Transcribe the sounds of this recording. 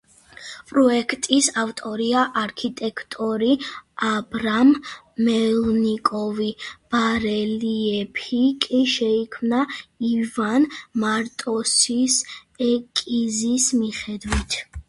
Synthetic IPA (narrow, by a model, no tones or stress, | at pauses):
pʼɾɔɛkʰt̪ʼisavt̪ʼɔɾiaʔaɾkʰit̪ʼɛkʰt̪ʼɔɾiabɾamː | ɛlnikʼɔvib̥aɾɛliɛpʰikʼiʃɛikʰmnaivanmaɾt̪ʼɔsisɛkʼizismiχɛd̪wit̪ʰ